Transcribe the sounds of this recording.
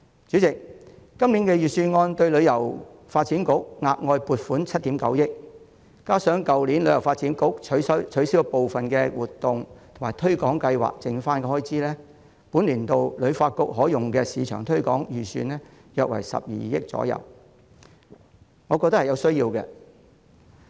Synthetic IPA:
t͡syː˨˥t͡sɪ˨k̚ːɐ˥mliː˨˥nkɛː˧jyː˨˩syː˧nŋɔː˧nt̪ɵ˧ɥlɵ˨˧ɥjɐ˨˩wfaː˧t̚t͡siː˨˥nkʊ˥k̚ŋaː˧k̚ŋɔː˧jpuː˨t̚fuː˨˥nt͡sʰɐ˥t̚t̪iː˨˥mkɐ˨˧˥wjɪ˥k̚ | kaː˥sœː˨˥ŋkɐ˨wliː˨˥nlɵ˨˧˥jɐ˨˩wfaː˧t̚t͡si˨˥nkʊ˥k̚ʰsɐ˥wt͡ʃʰɵ˨˥siː˨˥wpo˨wfɐ˨nkɛː˧wuː˨˩t̪ːʊ˨ŋt̪ʰʊ˨˩maː˨˩jt̪ʰɵ˥ɥkɔː˨˥ŋkɐ˧jwa̰ː˨k̚t͡sɪ˨ŋfaː˥nkɛ˧hɔː˥jt͡siː˥lɛː˥ | puː˨˥nliː˨˩nt̪o˨wlɵ˨˧ɥfaː˧t̚kʊ˥k̚ɦɔː˨˥jʊ˨ŋkɛː˧siː˨˧t͡ʃʰœː˨˩ŋt̪ʰɵ˥ɥkɔ̰ː˨˥ŋjyː˨˩sy̰ː˧nlɛː˥ | jœː˨k̚wɐ̰˨˩jsɐ̰˨p̚jḭː˨jɪ˥k̚t͡sɔ̰ː˨˥jɐ̰˨˩w | ŋɔː˨˧kɔː˧t̪ɐ˥khɐ˨jɐ˨˧wsɵ˥ɥjiː˧wkɛ̰˧

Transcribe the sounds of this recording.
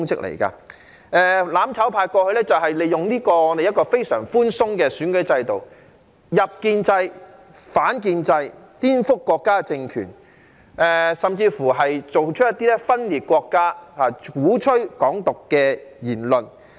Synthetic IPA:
ŋt͡sɪ˥k̚lḛ˨˩jka̰˧ | ɛː˧laː˨˥mt͡sʰɐ˨˥wpʰaː˧jkɔː˧hɵ˧ɥlɛ˥t͡sɐ˨˩wɦɐ˨jle˨˩jʊ˨ŋliː˥kɔː˧ŋɔː˨˧d̪e˨jɐ˥t̚kɔː˧fe˥jsœː˨˩ŋfuː˥nsʊ˥ŋkɛː˧syː˨˥nkɵ˨˥ɥt͡sɐ˧jt̪o˨w | jɐ˨p̚kiː˧nt͡sɐ˧j | faː˨˥nk̬iː˧nt͡sɐ˧jt̪iː˥nfʊ˥kːɔː˧kːaː˥t͡sɪ˧ŋkʰy̰ː˨˩n | ʔɛː˨sɐ˨mt͡siː˧fuː˨˩ɦɐ˨jt͡so˨wt͡ʃʰɵ˥ɐ˥t̪ːiː˥lɛ˥fɐ˥nliː˨t̚kʷɔː˧kːaː˥haː˨kuː˨˥t͡ʃʰɵ˥ɥkɔː˨˥ŋt̪ʊ˨kːɛː˧jiː˨˩nlɵ˨n

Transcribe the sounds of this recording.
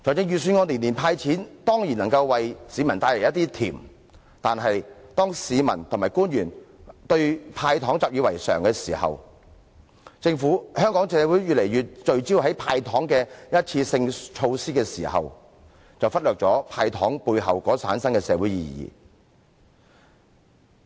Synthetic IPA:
t͡sʰɔː˨˩t͡sɪ˥jyː˨˧syː˧˥nŋɔː˧ni˨nːi˨˩npʰaː˧jt͡sʰiː˨˥nt̪ɔː˥ŋji˨˩nɐ˨˩ŋkɐ˧wwɐ˨jsiː˨˧mɐ˨˩nt̪aː˧le˨˩jɐ˥t̪iː˥t̪ʰḭː˨˩m | t̪aː˨nɦɐ˨jt̪ɔː˥ŋsiː˨˧mɐ˨˩nt̪ʰʊ˨˩maː˨jkuː˥njyː˨˩nt̪ɵ˧ɥpʰaː˧jt̪ʰɔː˨˥ŋt͡saː˨p̚ɥyː˨˧wɐ̰˨˩jsœː˨˩ŋkɛː˧siː˨˩hɐ̰˨w | t͡sɪ˧ŋfuː˨˥hœː˥ŋkɔː˨˥ŋsɛː˨˧wuː˨˥jɥyː˨t̚le˨˩jyː˨t̚t͡ʃɵ˨ɥt͡siː˥wɦɐ˨˥jpʰaː˧jt̪ʰɔː˨˥ŋkɛː˧jɐ˥t̚t͡sʰiː˧sɪ˧ŋt͡ʃʰo˧wsiː˥kɛː˧siː˨˩hɐ̰˨w | t͡sɐ˨wfɐ˥t̚lœː˨k̚t͡sɔː˨˥pʰaː˧jt̪ʰɔ̰ː˨˥ŋpuː˧jɦɐ˨wkɔː˨˥sʰaː˨˥nsɐ˥nkɛː˧sɛ̰ː˨˧wuː˨˥jḭː˨˩jḭ˨

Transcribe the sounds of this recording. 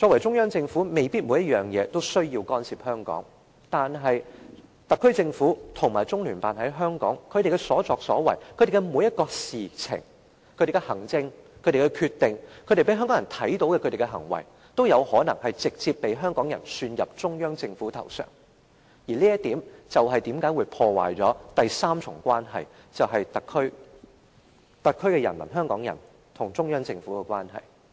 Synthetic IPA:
t͡sɔː˧k̚wɐ˨˩jt͡sʊ˥ŋjœː˥ŋt͡sɪ˧ŋfu˨˥me˨jpiː˥t̚muː˨˥jɐ˥t̚jœː˨˩ŋjɛː˨˧t̪o˥wsɵ˥ɥjiː˧wkɔː˥nsiː˨p̚hœː˥ŋkɔ̰ː˨˥ŋ | t̪aː˨nɦɐ˨jt̪ɐ˨kʰːɵ˥t͡sɪ˧ŋfuː˨˥t̪ʰʊ˨˩ŋmaː˨˩jt͡sʊ˥ŋlyː˨˩paː˨nhɐ˨˥jɦœː˥ŋkɔ̰ː˨˥ŋkʰɵ˨˧ɾe˨jkɛ˧sɔː˨˥t͡sɔː˨k̚sɔ̰ː˨˥wɐ̰˨˩jkʰɵ˨˧t̪e˨˩kɛ˧mu˨˧˥jɐ˥t̚kɔː˧siː˨t͡sʰɪ̰˨˩ŋ | kʰɵ˨˧ɾe˨˩kɛ˧hɐ˨˩ŋt͡sɪ˧ŋkʰɵ˨˧ɾe˨˩kɛ˧kʰyː˧t̪ːɪ˨ŋkʰɵ˨˧ɥɾe˨˩pe˨˥jɦœ˥ŋkɔː˨˥jɐ˨˩nt̪ʰɐ˨˥jt̪o˨˥wkɛ˧ɵ˨˧ɾe˨˩kɛ˧ɦɐ˨˩ŋwɐ̰˨˩j | t̪o˥wjɐ˨˧whɔː˨˥nɐ˨˩ŋhɐ˨jt͡sɪ˨k̚t͡siː˧pːe˨˧jɦœː˥ŋkɔː˨˥ŋjɐ˨˩nsyː˧njɐ˨p̚t͡ʃʊ˥ŋjœː˥ŋt͡sɪ˧ŋfuː˨˥t̪ʰɐ̰˨˩wsœ̰ː˨˩ŋ | jiː˨˩liː˥jɐ˥t̪ːiː˨˥mt͡sɐ˨wɦɐ˨jt̪iː˨˥mkaː˨˥jwu˨˧jpʰɔː˧wa̰ː˨˩jt͡sɔː˨˥t̪ɐ˨jsaː˥mt͡ʃʰʊ˨˩ŋkʷaː˥nɦɐ̰˨j | t͡sɐ˨wɦɐ˨jt̪ɐ˨kʰːɵ˥ɥ | t̪ɐ˨kʰːɵ˥ɥkɛ˧jɐ˨˩nmɐ̰˨˩nɦœː˥ŋkɔː˨˥ŋjɐ̰˨˩n | t̪ʰʊ˨˩ŋt͡sʊ˥ŋjœː˥ŋt͡sɪ˧ŋfu˨˥kɛ˧kwaː˥nɦɐ̰˨˩j

